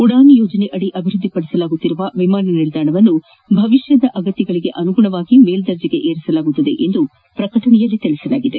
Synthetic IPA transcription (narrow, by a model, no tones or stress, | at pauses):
uɽaːnijoːd͡ʒɐneʔɐɽiʔɐbʱiɾud̪ʱːipɐɽisɐlaːɡut̪ːiɾuʋɐʋimaːnɐnild̪aːɳɐʋɐnːu | bʱɐʋiʃjɐd̪ɐʔɐɡɐt̪ːɐɡɐɭiɡe̞ʔɐnuɡuɳɐʋaːɡimeːld̪ɐɾd͡ʒiɡe̞ʔeːɾisɐlaːɡut̪ːɐd̪e̞ʔend̪u | pɾɐkɐʈɐɳɛjɐlːit̪eɭɛsɐlaːɡid̪e̞